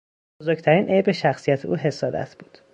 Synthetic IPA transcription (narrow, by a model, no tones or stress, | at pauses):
bozoɾc̚t̪ʰæɾiːnʔejbeʃæxsijæt̪ʰeʔuːɦe̞sɒːd̪æ̰t̪ʰb̥uːd̪̥